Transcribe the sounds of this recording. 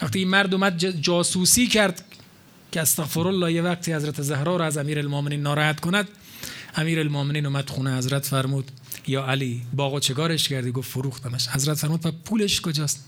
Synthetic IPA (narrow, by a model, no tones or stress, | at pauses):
væxt̪iːinmæɾd̪oːmæd̪̚d͡ʒɒːsuːsiːkʰæɾd̪ | kʰeæst̪æɣfeɾolːɒːhjevæq̚t̪ʰiːhæzɾæt̪ʰezæhɾɒːɾɒːæzæmiːɾælmoːmeniːnːɒːɾɒːhæt̪kʰonæd̪ | æmiːɾælmoːmeniːnoːmæd̪̥xuːnehæzɾæt̪fæɾmuːd̪ | jɒːæliːbɒːɣot͡ʃʰekɒːɾeʃkæɾd̪iːɡoffoɾuːxt̪æmæʃhæzɾæt̪fæɾmuːd̪pʰæpʰuːleʃkod͡ʒɒːst̪